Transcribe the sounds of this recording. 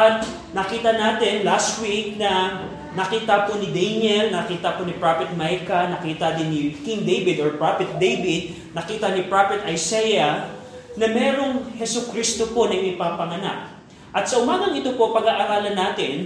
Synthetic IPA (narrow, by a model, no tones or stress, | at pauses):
t̪̚ | nɐkiːt̪ɐnaːt̪ɪnlast̪wik̚nɐ | nɐkiːt̪ɐponɪd̪ɛnɛlnɐkiːt̪ɐponɪpɹapɛt̪̚majkɐnɐkiːt̪ɐd̪ɪnːɪkiŋd̪ejvɪd̪oɹpɹafɛt̪̚d̪ejbɪd̪̚ | nɐkiːt̪ɐnɪpɹapɛt̪ʔɐjsɛjɐ | nɐmɛːɾo̞ŋhɛsʊkɾist̪opo̞nɐjmɐjpaːpɐŋɐna̰k̚ | ʔɐt̪̚sɐʔʊmaːɡɐŋɪt̪opo̞pɐɡaːʔɐɾaːlɐnaːt̪ɪn